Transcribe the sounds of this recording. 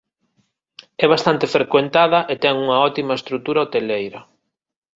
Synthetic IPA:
ɛβast̪ant̪efɾekwent̪aðɐʔet̪ɛŋuŋɐɔt̪imɐest̪ɾut̪uɾɐot̪elejɾɐ

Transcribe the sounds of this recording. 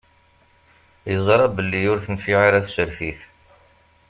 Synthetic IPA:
jəzˤɾˤɑbəlːijʊɾθənfiʁiɾæθʃəɾfiθ

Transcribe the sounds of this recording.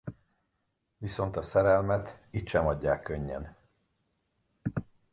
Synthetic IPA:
ʋiso̞n̪t̪ɒsɛɾɛlmɛt̪it̪ʃɛmɒɟːaːkːøɲːɛ̰n

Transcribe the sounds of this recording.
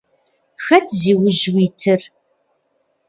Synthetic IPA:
xɐtʰziːwʊʑwiːtʰɨr

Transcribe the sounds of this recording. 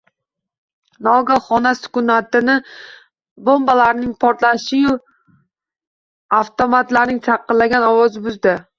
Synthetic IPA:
nɒɡaχɒnasʊ̥kʊnat̪ɪnɪ | bombalaɾnɪŋpʰɒɾt̪laʃɪjʊ | aft̪ʰomat̪laɾnɪŋt͡ʃʰɑqːɨlːaɡʲanɒwɒzɪbʊzd̪ɪ

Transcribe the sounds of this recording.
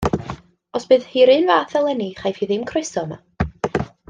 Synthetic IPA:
ɔsb̥ɨːð̥hiɾɨːnvaːθɛlˠɛniχajfhiðɪmkʰrɨsɔna̰

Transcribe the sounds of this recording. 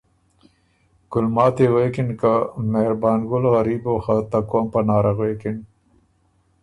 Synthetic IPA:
ɡ̥ʊlmɑːt̪ewekinkameɾbɑːnɡʊlɣɐɾiːboːxat̪akompɐnɑːɾaɣweːkin

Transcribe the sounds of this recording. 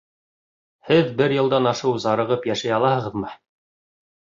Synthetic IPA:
hɘðbɘɾjɤ̆lˠd̪ɑnɑʃɤwzɑɾɤ̆ʁɤpjæʃæjɑlˠɑhɤ̆ʁɤ̆ðmɤ

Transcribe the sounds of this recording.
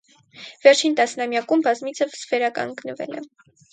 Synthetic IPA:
vɛɾt͡ʃʰint̪ɑsnɑmjɑkumbɑzmit͡sʰəvvɛɾɑkɑ̰ŋɡnəvɛ̰lɛ̰

